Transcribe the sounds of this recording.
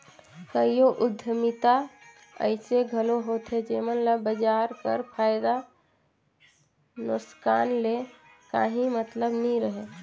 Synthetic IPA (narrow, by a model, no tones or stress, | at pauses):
kəijoʔʊd̪ʱːəmɪt̪a | ə̰ɪseɡʱəloɦoːt̪ɦed͡ʒeːmənlabəd͡ʒaːɾpə̰ɾpʰaːɪd̪a | nʊskaːnle | ka̰ːɦĩmət̪ləbnəĩɾəɦe